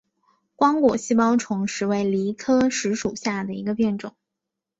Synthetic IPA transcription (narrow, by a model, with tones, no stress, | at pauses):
kwɑ˥ŋkwɔ̰˨˩ɕi˥pɑ˥ʊʈ͡ʂʰʊ˧˥ŋʂɻ̩˧˥we˧˥ɪli˧˥kʰɤ˥ʂɻ̩˧˥ʂu˨˩ɕja˥˩d̪ə˩ḭ˧˥ɡə˧pjɛ˥˩nʈ͡ʂʊ˨˩˦ŋ